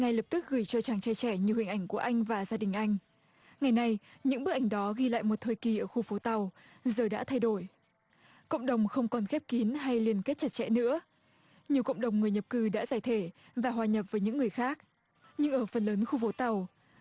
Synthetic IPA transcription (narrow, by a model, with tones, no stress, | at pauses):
ŋa˨˩jlə˨˩p̚t̪ɨ˦˥k̚ɣɨ˧˩jt͡ɕɔ˧t͡ɕaː˨˩ŋt͡ɕɛ˧˩t͡ɕɛ˧˩ɲɨ˨whḭ˧˨ŋʔa˧˩ŋku˧˩əʔa˧jŋ̟vaː˨˩zaː˧ɗï˨˩ŋ̟ʔa˧jŋ̟ | ŋa˨˩jna˧jɲɨ̰˧˥ŋɓɨ˦˥k̚ʔa˧˩ŋ̟ɗɔ˨˦ɣi˧la̰ː˧˨jmo˨˩t̚t̪ʰəː˨˩jki˨˩ʔəː˧˩xu˧fo˨˦t̪a˨˩w | zəː˨˩ɗa̰ː˧˥t̪ʰa˧jɗo˧˩j | kə̰˧˨wŋ͡mɗə˨˩wŋ͡mxə˧wŋ͡mkɔ˨˩nxɛ˦˥p̚ki˨˦nɦa˧jli˧˩ənke˦˥t̚t͡ɕa˦˥t̚t͡ɕɛ̰˧˥nɨ̰˧˥ə | ɲi˨˩əwkə̰˧˨wŋ͡mɗə˨˩wŋ͡mŋɨ˨˩əjɲə˨˩p̚kɨ˧˩ɗa̰ː˧˥zaː˧˩jt̪ʰe˧˩ | vaː˨˩ɦwaː˨˩ɲə˨˩p̚vəː˨˦ɲɨ̰˧˥ŋːɨ˨˩əjxaː˦˥k̚ | ɲɨ˧ŋʔəː˧˩fə˨˩nləː˨˦nxu˧fo˨˦t̪a˨˩w